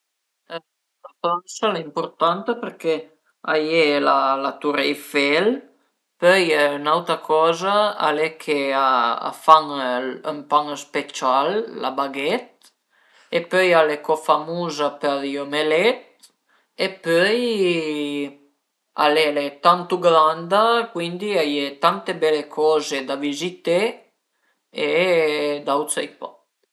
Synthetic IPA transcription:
at̪ansalaimpuɾt̪ant̪əpəɾke | ajelalat̪uɾejfel | pøjnawt̪ɾakʰɔzaa̰lekʰeaa̰faŋəmpaŋəspet͡ʃalːa̰baɡet̪̚ | epøjalekɔfamuzapɛɾjomelɛt̪̚ | epœj | a̰lelet̪ant̪uɡɾand̪akwind̪iajet̪ant̪ebɛlekʰɔzed̪avizit̪e | e | d̪awt̪t͡sejpɔ

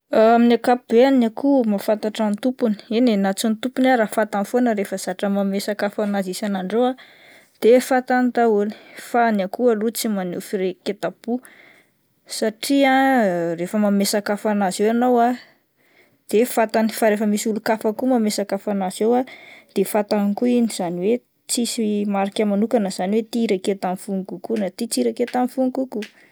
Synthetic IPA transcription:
aaminakapubeanakumafant̪aʈ͡ʂant̪upuni̥inenat͡sunt̪upunaɾafat̪anfonəɾefəz̥aʈ͡ʂəmamesakafanazisanaɳɖ͡ʐowa | d̪̥efat̪ant̪auli̥fanakualut͡simanḛfiɾeket̪apu | saʈ͡ʂiãrefəmamesakafanazewanowa | d̪̥efat̪anifaɾefəmisulukafakumamesakafanazewad̪̥efat̪anikuiniz̥aniwe | t͡sisiimaɾikʲamanukanəz̥aniwet̪iɾeket̪amfuŋikukunat̪it͡siɾaket̪amfuŋikuku

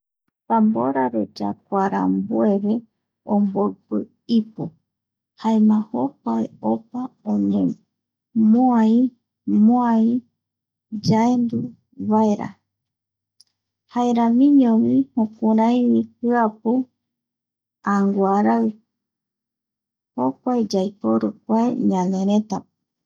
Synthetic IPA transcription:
pambo̰ɾaɾod͡ʒa̰kʷaɾa̰mbueβe | ombopɨ | ipu | haemãhopaeopaonẽ | moai | moai | d͡ʒaend̪u | βaeɾa̰ | haeɾamĩɲõwĩhõkaɾãj̃wikɨapu | aŋɡwaɾaɨ | hokʷaed͡ʒajpoɾuk̚ʷaeɲãnẽɾet̪a

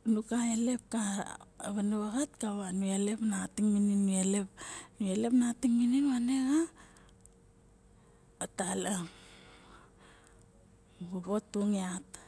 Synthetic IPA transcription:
nukaele̞p̚kaβanuβaɣatkaβanuele̞pnatiŋmininːuelep̚nuele̞pnatiŋmininβaneɣa | otala | ɡuɡotːuŋiat

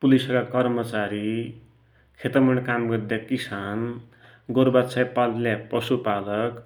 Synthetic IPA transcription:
pulisʌkakʌrmʌt͡saɾi | kʰet̪ʌmʌɳ̃kamɡʌrd̪jakisan | ɡoɾbat͡sʰajpalljapʌsupalʌk

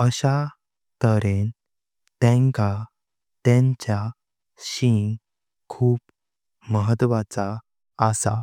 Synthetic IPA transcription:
əɕa | t̪əɾen | t̪ɛ̃ŋka | t̪ɛ̃ɲt͡ɕja | ɕiŋ | kʰuːp | məɦət̪ʋat͡saː | sa̰

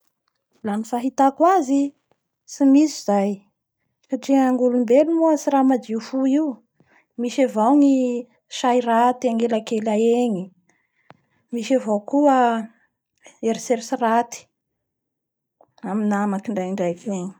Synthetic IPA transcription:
lanifaɦit̪akwazi | simisiz̥aj | kaʈ͡ʂiaŋɡulumbelumuəsiɾamad̪ifuiw | miʃavawni | ʃairat̪iaŋɡelakelaeɲi | miʃavowkuə | eɾiseɾsirat̪i̥ | aminamakiɳɖ͡ʐajɳɖ͡ʐajkeɲi̥

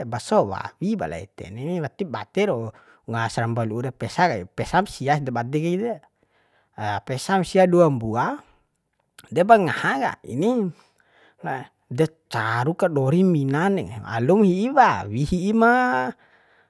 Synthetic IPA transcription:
basɔwa̰wiba̰la̰ḭt̪ɛ̰nniwat̪iba̰t̪ɛɾo | ŋasaɾambaluːɾepɛsakaipɛsamsiasdɛbad̪ɛkaide | pɛsamsiaduambua | dɛbaŋahaɡa̰ḭni | la | dɛ | t͡ʃaɾukaɗɔɾiminanɛŋa̰lumhiːwawihiːma

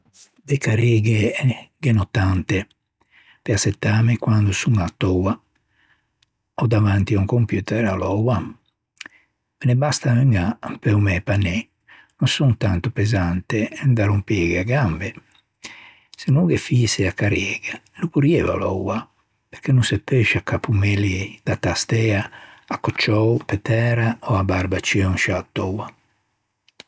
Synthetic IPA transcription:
d̪ɛkaɾeːɡɛɡɛnɔt̪ːant̪ɛ | pɛasɛt̪ːaːmɛkwand̪usuŋɡat̪ːɔwa | ɔd̪avant̪iauŋkompjuːt̪ɛɾalɔwa | mɛnɛbast̪amɛŋapɛɔmɛpanːɛ | nɔnsunt̪ant̪ɔpɛzant̪ɛɛnd̪aɾumpeːɡeaɡambe | senuɡefiːseakːaɾjɛːɡ̥alupuɾjɛːva̰lɔ̰wa | peɾkʰenunsɛpːeʃakapʰumelid̪at̪ast̪ɛaːkːɔt͡ʃːɔwpɛt̪ɛːɾaɔabaɾbat͡ʃiɔŋʃat̪ːɔwa

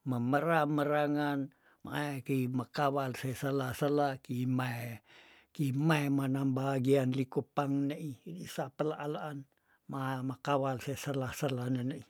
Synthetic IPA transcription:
məməɾaməɾaŋan | ma̰ekəimakawalsesəlahsəlakimae | kimaemanambaɦaɡianlikupaŋnəʔidisapəlaʔːlaʔːn | maemakawalsesəlahsəlanənəi

